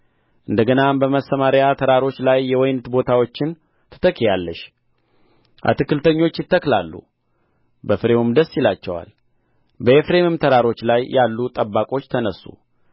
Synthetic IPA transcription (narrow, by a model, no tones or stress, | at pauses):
ʔɨnd̪əɡənambəməsːəmaɾjat̪ʰəɾaɾo̞t͡ʃːlajːɛwɔjnɨt̪bo̞t̪ʰawo̞t͡ʃːɪn | t̪ʰə̥t̪ʰəkʰːijalːəʃ | ʔa̰t̪ɨkːɨlt̪ʰəɲːo̞t͡ʃːjɪt̪ːəkla̰lːṵ | bəfɨɾe̞umd̪əsːjɪlat͡ʃːɛwa̰l | bəefɾemɨmt̪ʰəɾaɾo̞t͡ʃːlajːalːut̪ʼəbːakʼo̞t͡ʃːt̪ʰənəsːṵ